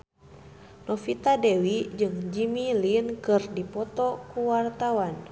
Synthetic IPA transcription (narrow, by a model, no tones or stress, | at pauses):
nɔfit̪adɛwid͡ʒɨŋd͡ʒimilinkɨrdipɔt̪ɔkuwart̪awan